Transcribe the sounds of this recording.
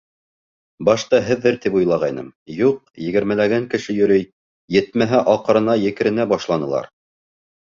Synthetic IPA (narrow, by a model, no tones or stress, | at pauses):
bɑʃt̪ɑɦɘ̆ðːɘɾt̪ipujlˠɑʁɑjnɤ̰mjuq̚jɘ̆ɡɘ̆ɾmælæɡæŋkɘ̆ʃɘjɵ̆ɾɘj | jɘ̆t̪̚mæɦæʔɑqɤ̆ɾɤ̆nɑjɘ̆kɘ̆ɾɘ̆næbɑʃlˠɑnɤ̆lˠɑ̰ɾ